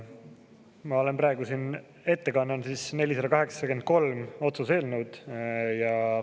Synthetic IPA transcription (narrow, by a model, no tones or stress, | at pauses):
mɑo̞le̞nprɑe̞ɡusin | e̞t̪ːe̞kɑnːɑnsiːsne̞lʲisɑd̪ɑkɑɦe̞ksɑke̞nd̪̚ko̞lmo̞t̪suse̞ːlnuwd̪̥jɑ